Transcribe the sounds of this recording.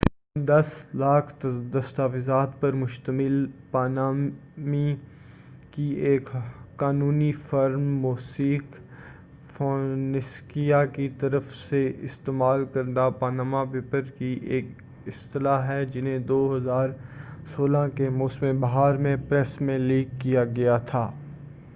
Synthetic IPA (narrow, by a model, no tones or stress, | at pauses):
d̪ɐslaːkʰt̪d̪ɐst̪aːfɪzaːt̪̚pɐɾmʊʃt̪əmɪlpaːnaːmmi | kieːkkaːnuːnifɐɾmːoːsiːk | foːnɪskijakit̪ɐɾəfseɪst̪eːmaːlkɐɾd̪apaːnaːmapeːpəɾkiʔeːk | ɪst̪ɪlaːɦɛd͡ʒɪnɦẽd̪oːɦɐzaːɾsoːlãkemoːsmẽbɐɦaːɾmẽpɾɛsmẽliːkːijaɡɐjat̪ʰaː